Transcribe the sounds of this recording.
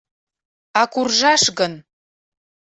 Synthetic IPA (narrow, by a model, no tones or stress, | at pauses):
ɑkurʒɑʃɣən